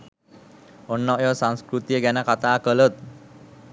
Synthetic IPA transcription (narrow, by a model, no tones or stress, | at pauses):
ɔnːəjɔsãw̃skɾut̪jəɡanakat̪akələt̪